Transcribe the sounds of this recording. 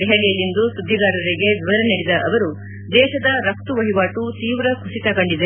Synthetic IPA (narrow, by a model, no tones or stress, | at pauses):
ɾɛɦɐlijɐlːind̪usud̪ʱːiɡaːɾɐɾiɡe̞ʋiʋɐɾɐniɽid̪ɐʔɐʋɐɾu | d̪ɛːʃɐd̪ɐɾɐk̚t̪uʋɐɦiʋaːʈut̪iːʋɾɐkʰusit̪ɐɡɐɳɖid̪e